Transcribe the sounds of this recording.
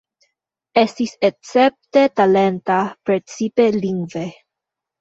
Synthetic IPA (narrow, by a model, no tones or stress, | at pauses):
estisekt͡sep̚t̪et̪alent̪apɾet͡sipeliŋɡve